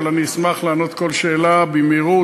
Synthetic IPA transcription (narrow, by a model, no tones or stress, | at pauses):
laniːsmaχlaːno̞t̪ko̞lʃeːlabimiʁu